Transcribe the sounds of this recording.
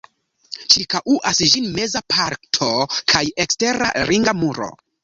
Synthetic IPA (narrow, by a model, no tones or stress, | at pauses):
t͡ʃiɾkaʔuʔasʒinme̞zapʰaɾtʰo̞kʰaje̞kste̞ɾa̰ɾʔiŋɡamuɾo̞̰